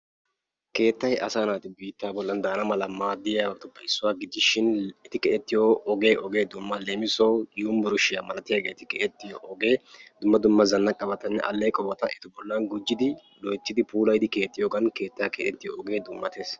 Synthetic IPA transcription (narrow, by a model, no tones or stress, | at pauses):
ke̞ːt̪ːɐjʔɐ̰saːnaːt̪ɪbiːt̪ːaːbɔlːɐnd̪aːnɐmɐlɐmaːd̪ːɪjaːwɐkt̪ʊbɐɪsːʊwaːɡɪd͡ʒ̪ːɪʃɪnɪt̪ɪkɛʔɛt̪ːɪjoːɡe̞ːʔɔɡe̞ːd̪ʊmːɐleːmɪsɔwjuːmbʊɾʊʃɪjamɐlɐt̪ɪjaːɡeːt̪ɪkɛʔɛt̪ːɪjoʔɔɡe̞ːd̪ʊmːɐd̪ʊmːɐzɐnːɐkʼɐbɐt̪ɐnːɛ̰ʔɐ̰lːɛjkʼɔbɐt̪ɐʔɛt̪ɪbɔlːɐnɡʊd͡ʒːɪd̪ɪ | lɔjt͡ʃːɪd̪ɪpuːlɐjd̪ɪke̞ːt̪ːɪjoːɡɐnke̞ːt̪ːakɛ̰ʔɛt̪ːɪjoɔɡeːd̪ʊmːɐt̪eːs